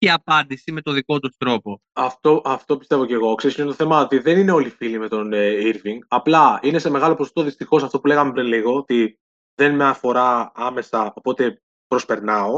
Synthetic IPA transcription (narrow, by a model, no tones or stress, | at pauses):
ceɐpɐnd̪isime̞t̪o̞ðiko̞t̪ust̪ɾo̞po̞ | ɐft̪o̞ʔɐft̪o̞pist̪e̞vo̞ce̞ɣo̞kseɾsint̪oθe̞mɐot̪iðe̞nineo̞lifilime̞t̪o̞neiɾviŋɡɐplɐine̞se̞me̞ɣɐlo̞poost̪o̞ðist̪ixo̞sɐft̪o̞pule̞ɣɐmepɾinliɣo̞ot̪i | ðe̞nmeɐfo̞ɾɐɐme̞sɐo̞po̞t̪e̞ | pɾo̞spe̞ɾnɐo̞